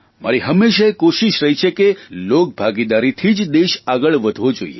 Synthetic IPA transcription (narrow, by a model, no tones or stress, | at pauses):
ma̰ɾiɦəmːeʃaekoʃiʃɾəɦit͡ʃʰekelok̚bʱaɡid̪aɾit̪ʰid͡ʒd̪eʃaɡəɭʋəd̪ʱʋod͡ʒoiḛ